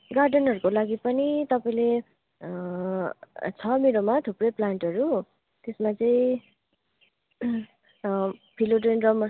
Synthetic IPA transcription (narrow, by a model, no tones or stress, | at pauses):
ɡarɖʌnɦʌɾukolaɡipʌnit̪ʌpaĩle | t͡sʰʌmiɾomat̪ʰuprʌjplaɳʈʌɾu | t̪esmat͡sʌĩ | pʰiloʈenrʌmʌ